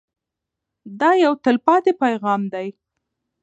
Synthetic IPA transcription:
d̪ɑjawt̪əlpɑt̪epajɣɑmd̪aj

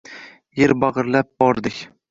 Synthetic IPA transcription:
jeɾbɑʁɨɾlap̚bɒɾd̪ɪkʲ

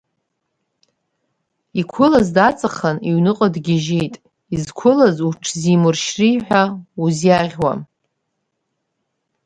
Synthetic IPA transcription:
ikʷʰʊlazdat͡sʼaχaniɥnɨqʼadɡʲɪʒejtʼ | izkʷʰʊlazuʈ͡ʂʰzimɨrʃriħʷᶣauzjaʁʲwa̰m

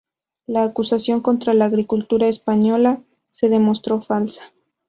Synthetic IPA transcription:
laːkusasjo̞ŋko̞nt̪ɾalaːɣɾikult̪uɾaespaɲo̞la | se̞ðe̞mo̞st̪ɾo̞falsḁ

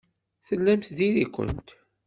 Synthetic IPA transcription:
θəlːæmθðiðikʷə̰nt̪

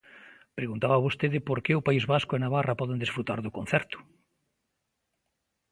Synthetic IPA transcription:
pɾeɣunt̪aβaβost̪eðɪpoɾkɪʊpaizβaskʊenaβarapɔðend̪esfɾut̪a̰ɾðʊkõn̟θɛɾt̪ʊ̥

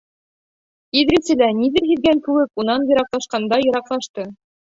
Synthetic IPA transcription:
iðɾɘsɘ̆læniðɘɾɦiðɡæŋkʉwɘkunɑnjɤ̆ɾɑqlˠɑʃqɑnd̪ɑjŏɾɑqlˠɑʃt̪ɤ

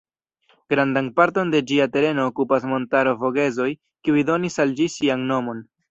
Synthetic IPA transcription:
ɡ̥ɾandanpaɾto̞nde̞d͡ʒiate̞ɾe̞no̞ːkupasmo̞ntaɾo̞vo̞ɡe̞zo̞j | kiujdo̞nisald͡ʒisianno̞mo̞n

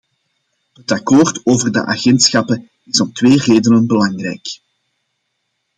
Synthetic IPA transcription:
ɦətɑkoːrtoːvərdə̰ʔa̰ɣɛntsxɑpə | ɪsɔmtweːreːdənənbəlɑŋrɛ̰jk

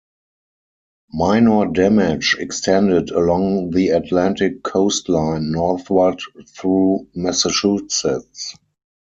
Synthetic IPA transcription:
maɪnɔdɛmɪd͡ʒɛkstʰɛ̃ndɪdəlɔ̃ŋðiatʰlæ̃ntɪkʰːoʊstʰlãɪ̃nːɔɹθwədθɹuːmɛsət͡ʃusɪts

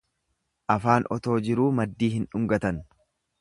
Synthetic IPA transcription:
ʔɐfaːnʔɔt̪o̞ːd͡ʒɪɾuːmɐd̪ːiːɦɪnᶑʊŋɡɐt̪ɐn

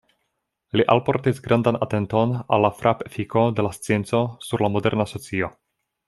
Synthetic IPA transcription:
liʔalpo̞ɾtisɡɾandana̰te̞nto̞na̰lːafɾʔapefiko̞de̞last͡sie̞nt͡so̞suɾlamo̞de̞ɾnaːso̞t͡sio̞

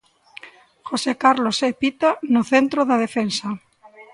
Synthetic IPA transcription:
xosekaɾlosepit̪anoθent̪ɾoðaðefensa

